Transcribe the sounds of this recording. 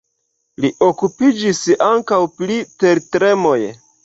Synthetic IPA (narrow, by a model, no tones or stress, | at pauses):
liʔokupid͡ʒisaŋkawpliteɾtɾe̞mo̞j